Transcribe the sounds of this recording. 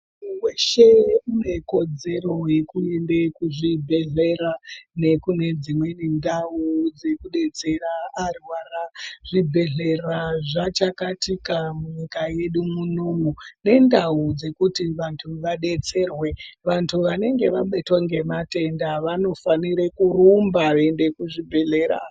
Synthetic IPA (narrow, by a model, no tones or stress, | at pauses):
weʃe̞une̞ko̞d͡ze̞ɾo̞je̞kuendekuʐibʱe̞ɮe̞ɾane̞kune̞d͡zimwe̞ne̞ndaud͡ze̞kuɗe̞t͡se̞raːrwaːraʐibʱe̞ɮe̞raʐat͡ʃakatikamuɲikaje̞ɗumunomune̞ndaud͡ze̞kutiʋantʰuʋaɗe̞t͡se̞rwe̞ʋantʰuʋane̞ŋɡe̞ʋaɓetwaŋɡe̞mate̞ndaʋano̞faniɾekurumbaʋande̞kuʐibʱe̞ɮe̞ɾa̰